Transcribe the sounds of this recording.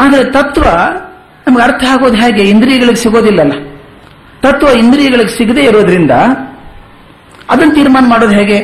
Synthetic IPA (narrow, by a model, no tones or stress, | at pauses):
aːd̪ɐɾet̪ɐt̪ʋɐ | nɐmɐɡeɐɾt̪ʰɐɦaːɡoːd̪ɦaːɡe̞ind̪ɾiːjɐɡɐɭiɡesiɡoːd̪ilːɐlːɐ | t̪ɐt̪ʋɐind̪ɾijɐɡɐɭiɡesiɡd̪e̞ːiɾuʋɐd̪ɐɾind̪ɐ | ɐd̪ɐnːɐt̪iːɾmaːnɐmaːɽo̞ːd̪ɦaːɡe̞